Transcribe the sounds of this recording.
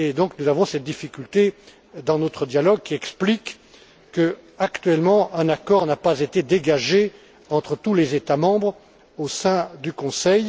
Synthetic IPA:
ed̪ɔ̃knuzavɔ̃sɛt̪̚d̪ifikʲylt̪e | d̪ɑ̃not̪χəd̪jalɔɡ̚kʲiɛksplik | kːəakt̪ɥɛlmɑ̃ʔɛ̃nakɔʁnapazet̪ed̪eɡaʒe | ɑ̃t̪χət̪ulezet̪amɑ̃bʁ | osɛ̃d̪ykɔ̃sɛj

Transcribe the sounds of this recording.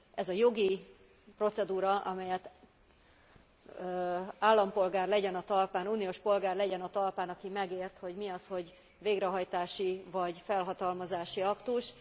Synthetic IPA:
ʔɛzɒjo̞ɡi | pro̞t̪sɛd̪uːɾɒʔɒmɛjɛt̪ | aːlːɒmpo̞lɡaːrlɛɟɛnɒt̪ɒlpaːnuːnijoːʃpo̞lɡaːrlɛɟɛnɒt̪ɒlpaːnɒkimɛɡeːrt̪ho̞ɟmiɒsho̞ɟ | veːɡrɛɦɒjt̪aːʃivɒɟfɛlɦɒt̪ɒlmɒzaːʃiɒkt̪uʃ

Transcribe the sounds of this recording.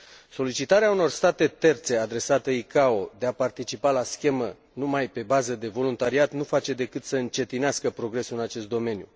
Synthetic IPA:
so̞lit͡ʃit̪aɾeauno̞rst̪at̪e̞t̪e̞rt̪se̞ad̪ɾe̞sat̪əikao̞d̪e̞apart̪it͡ʃipalaskʲe̞mə | numajpe̞bazəd̪e̞vo̞lunt̪aɾiat̪nufat͡ʃe̞d̪e̞kɨt̪səɨnt͡ʃe̞t̪ineaskəpɾo̞ɡɾe̞suɨnat͡ʃe̞st̪̚d̪o̞me̞nju

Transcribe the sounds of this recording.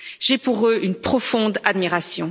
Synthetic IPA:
ʒɛpuʁøʔynpχɔfɔ̃d̪ad̪miʁasjɔ̃

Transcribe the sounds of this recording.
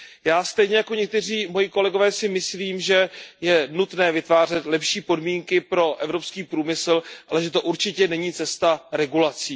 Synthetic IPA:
jaːst̪ɛjɲɛjako̞ɲɛk̚t̪ɛr̝iːmo̞jɪko̞lɛɡo̞vɛːsɪmɪsliːmʒɛjɛnut̪nɛːvɪt̪vaːr̝ɛt̪lɛpʃiːpo̞dmiːŋkɪpɾo̞ʔɛvɾo̞pskiːpɾuːmɪslalɛʒɛt̪o̞ʔuɾt͡ʃɪcɛnɛɲiːt͡sɛst̪aɾɛɡulat͡siː

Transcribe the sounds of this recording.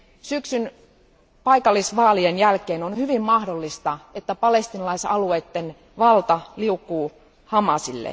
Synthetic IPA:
syksyn | pɑjkɑlːisʋɑːlienjælkeːnonhyʋimːɑhdolːist̪ɑe̞t̪ːæpɑle̞st̪inɑlɑisɑlue̞ːt̪ːen | ʋɑlt̪ɑliukːuː | hɑmɑsilːḛ

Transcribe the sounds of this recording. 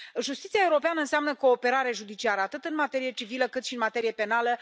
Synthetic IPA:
ʒust̪it̪siae̞uɾo̞peanəɨnseamnəko̞ːpe̞ɾaɾe̞ʒud̪it͡ʃiaɾəat̪ɨt̪ɨnmat̪e̞ɾije̞t͡ʃiviləkɨt̪ʃiɨnmat̪e̞ɾijepe̞nalə

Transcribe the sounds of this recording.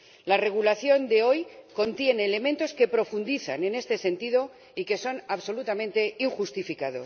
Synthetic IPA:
lare̞ɣ̞ulaθjo̞nd̪e̞o̞jko̞nt̪je̞ne̞ːle̞mẽ̞nt̪o̞ske̞pɾo̞fund̪iθa̰ne̞ne̞st̪e̞se̞nt̪iðo̞ | ike̞so̞naβso̞lut̪amẽ̞nt̪e̞iŋxust̪ifikaðo̞s

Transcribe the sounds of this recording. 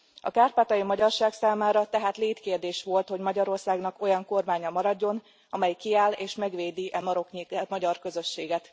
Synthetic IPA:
ɒkaːrpaːt̪ɒjimɒɟɒrʃaːksaːmaːɾɒt̪ɛɦaːt̪leːt̪keːrd̪eːʃʋo̞lt̪ho̞ɟmɒɟɒɾo̞rsaːɡnɒko̞jɒŋko̞rmaːɲɒmɒɾɒɟːo̞n | ɒmɛjkiaːleːʃmɛɡʋeːd̪iʔɛmɒɾo̞kɲiɛmɒɟɒrkø̞zø̞ʃːeːɡɛt̪

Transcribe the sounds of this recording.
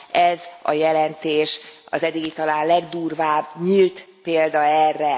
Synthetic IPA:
ɛzɒ̰jɛlɛnt̪eːʃɒ̰zɛd̪ːiɡit̪ɒlaːnlɛɡd̪uːrvaːbɲilt̪ | peːld̪ɒɛrːɛ

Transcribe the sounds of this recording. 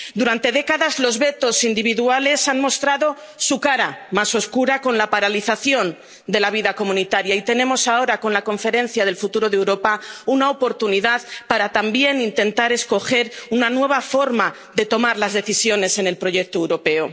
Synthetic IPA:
d̪uɾant̪e̞ðe̞kaðazlo̞zβe̞t̪o̞sind̪iβ̞iðuale̞sanmo̞st̪ɾaðo̞ | sukaɾamaso̞skuɾako̞nlapaɾaliθaθjo̞n | d̪e̞laβ̞iðako̞mũnit̪aɾjait̪e̞nẽ̞mo̞sao̞ɾako̞nlako̞ɱfe̞ɾẽ̞n̟θjað̞e̞lfut̪uɾo̞ðe̞wɾo̞paunaopo̞ɾt̪uniðaðpaɾat̪ambje̞nint̪e̞nt̪aɾe̞sko̞xe̞ɾunanwe̞β̞afo̞ɾma | ðe̞t̪o̞maɾlazðe̞θisjo̞ne̞se̞ne̞lpɾo̞ʝe̞k̚t̪oewɾo̞pe̞o

